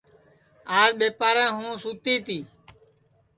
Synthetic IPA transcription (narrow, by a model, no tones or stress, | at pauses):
aːzɓeːpaːɾɛ̃ːɦũːsuːt̪iːt̪iː